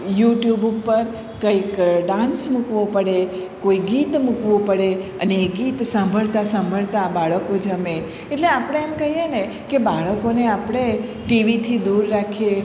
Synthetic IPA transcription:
juʈjubub̚pəɾ | kəjkɖãnsmukʋopəɽekoiɡit̪mukʋõpəɽeə̰neːɡit̪sãmbʱəɭt̪asãmbʱəɭt̪aːbaɭəkod͡ʒəme | eʈleapəɽ̃eɛmkəɦjene | kebaɭəkoneapɽ̃e | ʈiʋit̪ʰid̪uɾːakʰe

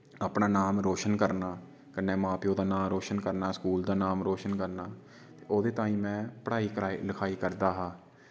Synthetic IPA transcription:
aːpnaːnaːmɾoːʃənkəɾnaː | kənːɛːmãːpiːoːd̪aːnaːmɾoːʃənkəɾnaːskuːld̪aːnaːmɾoːʃənkəɾnaː | t̪eːoːd̪eːt̪ãːĩːmɛ̃ːpəɽaːiːkɾaːiləkʰaːiːkəɾd̪aːɦãː

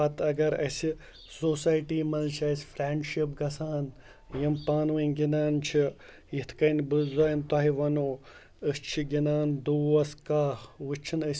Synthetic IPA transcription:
ɐt̪ɐɡɐɾɐ̰si | soːsaːjʈiːmɐlt͡ʃʰiɐsʲfɾeːɳɖʃip̚ɡɐsaːn | jimpaːnʋɐnɡinaːnt͡ʃʰi | jit̪ʰkɐnbɨzaːjnt̪ɔɦiʋɐnoː | ɨst͡ʃʰiɡʲinaːnd̪uʋɐskaːʋɨt͡ʃʰinəsʲ

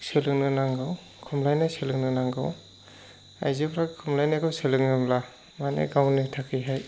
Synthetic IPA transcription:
selɯŋnɯnaŋɡɯw | kʰɔmlajnaselɯŋnɯnaŋɡa̰w | a̰jzepʰɾakʰːɔmlajnakʰɯwselɯŋnɯmla | manḛɡawnɯtʰakʰiɦaj

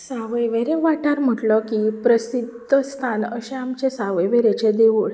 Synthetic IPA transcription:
saʋəjʋeɾẽʋaʈaɾm̤əʈlɔkipɾəsid̪ʱəst̪ʰanəɕẽamt͡ɕesaʋəjʋeɾet͡ɕed̪eʋuːɭ

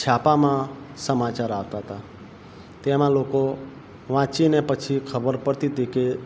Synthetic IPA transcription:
t͡ʃʰapamãsəmat͡ʃaɾaʋt̪aɦət̪a | t̪emãloko | ʋãt͡ʃinepət͡ʃʰikʰəbəɾpəɽt̪it̪ike

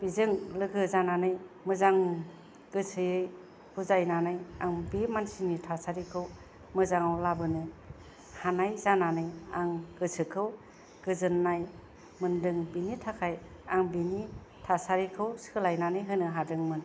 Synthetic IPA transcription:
b̥izɯŋlɯɡɯzananɯj | mɯzaŋ | ɡ̥ɯsʰɯjɯj | huzajnanɯjaŋbemansinitʰasaɾikʰɯw | mɯzaŋawlabɯnɯ | hanajzananɯjaŋɡɯsʰɯkʰɯw | ɡ̥ɯzɯnːaj | mɯndɯŋbinitʰakʰajaŋbeni | tʰasaɾikʰɯwskʰɯlajnanɯjɦɯnɯɦadɯŋmɯn

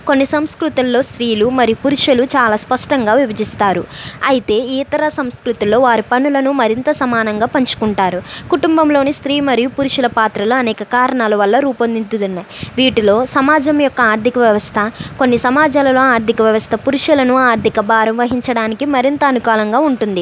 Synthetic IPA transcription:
ko̞nːisɐmskɾut̪ulːo̞ːst̪ɾiːlumɐɾijupuɾuʂɐlut͡ʃaːlaːspɐʂʈɐŋɡaːʋjubɐd͡ʒist̪aːɾuɐjit̪e̞ːiːt̪ɐɾɐsɐmskɾut̪ilo̞ːʋaːɾipɐnulɐnumɐɾint̪ɐsɐmaːnɐŋɡaːpɐɲt͡ʃu̥kuɳʈaːɾukuʈumbɐmlo̞ːnist̪ɾiːmɐɾijupuɾuʂilɐpaːt̪ɾɐluɐnɛːkɐkaːɾɐɳaːlɐʋɐlːɐɾuːpɐnd̪int̪ud̪unːɐʋiːʈilo̞ːsɐmaːd͡ʒɐmjɔkːɐaːɾd̪ʱikɐʋjɐʋɐst̪ʰɐko̞nːisɐmaːd͡ʒaːlɐlo̞ːaːɾd̪ʱikɐʋjɐʋɐst̪ʰɐpuɾuʂɐlɐnuaːɾd̪ʱikɐbaːɾɐmʋɐɦiɲt͡ʃɐɽaːnikimɐɾint̪ɐːnukaːlɐŋɡaːuɳʈund̪i

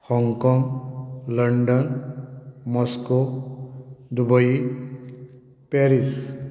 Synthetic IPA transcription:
hɔŋkɔŋlʌɳɖɔn | mɔsko | d̪ubʌj | peɾis

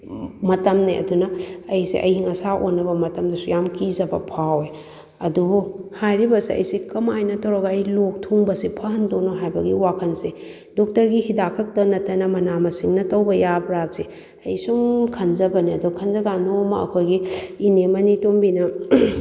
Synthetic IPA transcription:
mɐtɐmniʔɐ̰dunɐːjsḭʔɐ̰jhiŋɐsaʔonːɐbɐmɐtɐmdɐsujamkizɐbɐ̰pʰawe | ɐdubuhajɾibɐsiʔɐ̰jsikɐmajnɐtɐwɾɐɡɐːjlok̚tʰuŋbɐsipʰɐɦɐndonoɦajbɐɡiwakʰɐnsi | dok̚tɐɾɡihidakʰɐk̚tɐnɐtʰɐnɐmɐnamɐsiŋnɐtɐwbɐjabɾasi | ɐjsuŋkʰɐnzɐbɐniɐdukʰɐnzɐɡanomɐɐ̰kʰojɡiːnemɐnitombinɐ

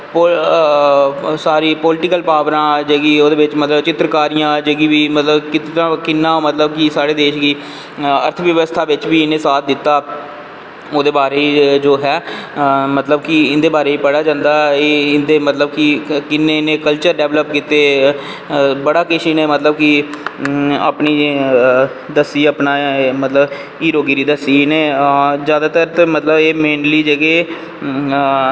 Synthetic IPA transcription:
po | saːɾiːpɔːlɪʈɪkəlpaːʋɾãːd͡ʒəɡiːoːd̪eːʋɪt͡ʃmət̪ləbt͡ʃɪt̪ɾəkaːɾijãːd͡ʒəɡiːʋiːmət̪ləbkɪt̪ːãːkɪnːãːmət̪ləbkisaːɽeːd̪eːʃɡiː | ə̰ɾt̪ʰəʋjəʋəst̪ʰaːʋɪt͡ʃʋiːɪnẽːsaːt̪̚ʰd̪ɪt̪ːaː | oːd̪eːbaːɾeːid͡ʒoːɦɛː | mət̪ləbkɪɪnd̪eːbaːɾeːiːpəɽaːd͡ʒãːnd̪aːeɪnd̪eːmət̪ləbkɪkɪnːeːɪnẽːkəlt͡ʃəɾɖɛːʋləp̚kiːt̪eː | bəɽaːkɪʃiːneːmət̪ləb̚kɪ | a̰ːpniː | d̪əsiːəpnaːmət̪ləb | iːɾoːɡiːɾiːd̪əsiːneːzjaːd̪aːt̪əɾt̪ːmət̪ləbeːmẽːnliːd͡ʒəɡeː

